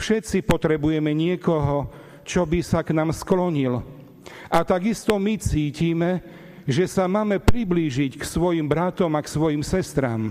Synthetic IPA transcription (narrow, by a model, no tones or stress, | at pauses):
fʃɛt̪t͡sipɔt̪ɾɛbujɛmɛɲɪɛkɔɦɔ | t͡ʃɔbisaknaːmsklɔɲil | ʔat̪aɡist̪ɔmit͡siːciːmɛ | ʒɛsamaːmɛpɾibliːʒicksʋɔjimbɾat̪ɔmaksʋɔjimsɛst̪ɾa̰ːm